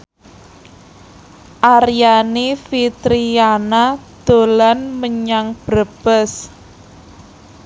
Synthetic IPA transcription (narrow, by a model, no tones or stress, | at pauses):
ʔaɾijanifit̪ɾijanad̪̥o̤lanməɲaŋb̥ɾəb̥əs